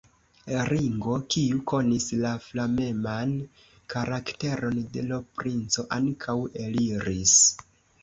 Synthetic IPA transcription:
ɾiŋɡo̞kiuko̞nislaflame̞man | kaɾakte̞ɾo̞nde̞lopɾint͡so̞ʔaŋkʰawe̞liɾis

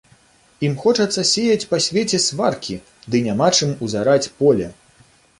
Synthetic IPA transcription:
imxɔt͡ʂɐt̪sːɐsʲejɐt͡sʲpɐsʲvʲet͡sʲɛsvarkʲi | d̪ɨnʲamat͡ʂɨmuzaɾat͡sʲpɔlʲɛ

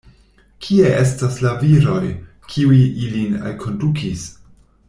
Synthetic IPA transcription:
kʰie̞ʔestaslaviɾo̞j | kʰiuiʔilina̰lkʰo̞ndukʰis

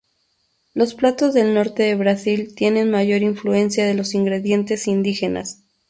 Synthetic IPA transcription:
lo̞splat̪o̞zðe̞lno̞ɾt̪e̞ðe̞βɾasilt̪je̞ne̞nmaʝo̞ɾiɱflue̞nsjaðe̞lo̞siŋɡɾe̞ðje̞nt̪e̞sind̪ixe̞na̰s

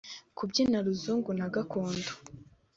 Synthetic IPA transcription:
kʰubɟinaɾuzuːŋɡun̥aɡakoːndo̥

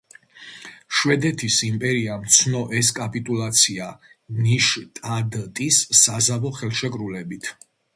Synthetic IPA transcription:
ʃwɛd̪ɛt̪ʰisimpʼɛɾiamt̪sʰnɔʔɛskʼapʼit̪ʼulˠat̪sʰia | niʃt̪ʼad̪t̪ʼisːazavɔχɛlˠʃɛkʼɾulɛbit̪ʰ

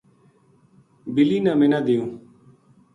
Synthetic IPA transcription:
bɪliːnãːmɪnãːd̪ɪjũː

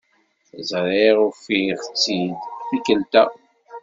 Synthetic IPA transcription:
zɾiʁʊfiʁt͡sːid̪fikəlt̪æ

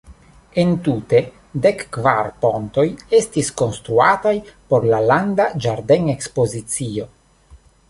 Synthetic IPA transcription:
ent̪ute̞ | dekːvaɾpo̞nt̪o̞je̞stisko̞nst̪ɾuatajpo̞ɾlaland̪ad͡ʒaɾde̞ne̞kspo̞zit͡sio̞

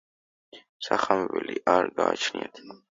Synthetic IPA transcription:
saχamɛvɛliʔaɾɡaːt͡ʃʰniat̪ʰ

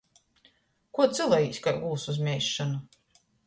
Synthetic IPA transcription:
kuɔt̪zɨlˠajiːsʲkaɾɡuːsuzmʲɛjʃːanu

